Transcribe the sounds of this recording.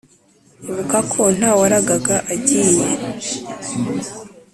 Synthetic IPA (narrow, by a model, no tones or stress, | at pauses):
uvukakʰo̞n̥hawaɾaɡaɡaʔaɟiːɲe